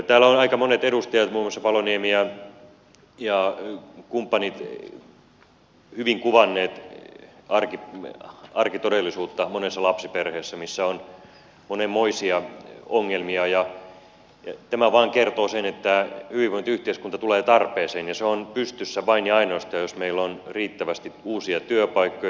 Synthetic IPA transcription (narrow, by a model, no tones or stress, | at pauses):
t̪æːlæonɑikɑmonet̪eɾust̪ɑjɑt̪muːmːosːɑʋɑloniemiæ | jɑkumpːɑnit̪ | hyʋiŋkuʋɑnːeːt̪ | ɑrki | ɑrkit̪odelːisuːt̪ːɑmonesːɑlɑpsiperheːsːæmisːæon | monemmoisiɑoŋːelmiɑjɑ | jɑt̪æmæʋɑːŋkert̪oːsenet̪ːæhyʋiʋoint̪yht̪eiskunt̪ɑt̪uleːt̪ɑrpeːseːnjɑseonpyst̪ysːæʋɑiniɑinoist̪ɑːjjosmeilːonriːt̪ːæʋæst̪iuːsiɑt̪yøpɑikːo